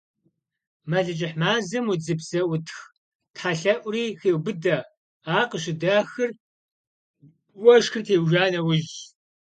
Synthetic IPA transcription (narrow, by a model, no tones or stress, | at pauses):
mɐɮɨt͡ʃʼɪħmaːzɨmud͡zɨpzɐʔʷʊtʰx | tħaɬɐʔʷʊriːxeːwbɨdɐ | aːqəɕ̬ɪdaːxɨr | wʷɐʃxɨrtʰeːwʒaːnɐwʊʑ